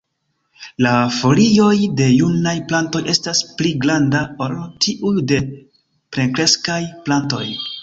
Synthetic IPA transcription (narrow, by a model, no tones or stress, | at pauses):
lafo̞lio̞jde̞junajplanto̞jʔe̞staspliɡlandaoɾotʰiʔujde̞ | pɾe̞ŋkɾe̞skajplanto̞̰j